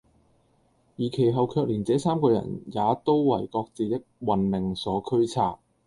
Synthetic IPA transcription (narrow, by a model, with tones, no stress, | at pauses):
jiː˨˩kʰe˨˩jɦɐ˨wkʰœː˧k̚liː˨˩nt͡sɛː˨˧˥saː˥mkɔː˧jɐ̰˨˩njaː˨˧t̪o˥wwɐ˨˩jkɔː˧k̚t͡siː˨˧t̪ɪ˥k̚wɐ˨nmɪ˨ŋsɔː˨˥kʰɵ˥ɥt͡sʰaː˧˥p̚